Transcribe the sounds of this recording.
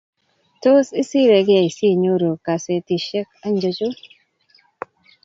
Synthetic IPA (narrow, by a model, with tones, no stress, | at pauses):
to˦si˦si˦ɾe˨ɡɪ˦a˨i˨si˦˨ɲo˦ɾo˨ka˨se˨ti˨ʃɛ˦ka˦ɲd͡ʒo˦t͡ʃo˦